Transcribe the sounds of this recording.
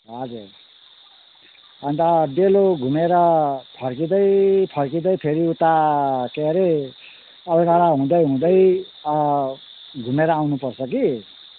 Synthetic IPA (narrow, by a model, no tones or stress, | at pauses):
ɦʌd͡zur | ʌnt̪aɖeloɡʱumeɾʌpʰʌrkid̪ʌjpʰʌrkid̪ʌjpʰeɾiut̪akeɾe | ʌbʌɡʌɽaɦũd̪ʌjɦũd̪ʌjʌ | ɡʱumeɾʌawnupʌrt͡sʰʌki